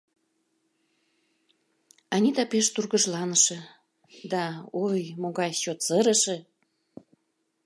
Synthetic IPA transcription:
ɑnʲid̪ɑpeʃt̪urɣəʒlɑnəʃĕ | d̪ɑojmoɣɑjt͡ɕot̪t͡səɾəʃĕ

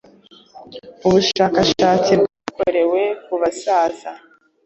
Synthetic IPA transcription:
uβuʃaːkaʃaːt͡sib̚ɡaːko̞ɾe̞we̞kuβasaːza

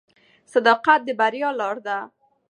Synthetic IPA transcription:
sad̪ɑqat̪̚d̪əbaɾjɑlɑɾd̪a

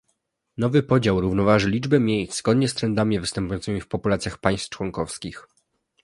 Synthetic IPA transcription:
nɔvɘpɔd͡ʑawɾuvnɔvaʐɘlʲid͡ʐbɛmʲjejzɡɔd̪ɲɛst̪ɾɛnd̪amʲivɘst̪ɛmpujɔnt̪mʲifpɔpulat̪sʲjaxpaj̃st̪t͡ʂwɔŋkɔfskʲix

